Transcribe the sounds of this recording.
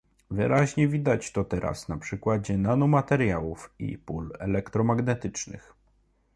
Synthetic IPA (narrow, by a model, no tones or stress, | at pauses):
vɘɾaʑɲɛvʲid̪at͡ɕt̪ɔt̪ɛɾʔa̰snapʂɘkwad͡ʑɛnanumat̪ɛɾjawufḭpulɛlɛkt̪ɾɔmaɡnɛt̪ɘt͡ʂnɘ̰x